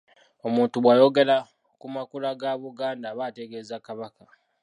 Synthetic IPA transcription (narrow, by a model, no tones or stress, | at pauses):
o̞muːntuβwajo̞ɡe̞la | kumakulaɡaβuɡaːndaβate̞ɡe̞ːzakaβaka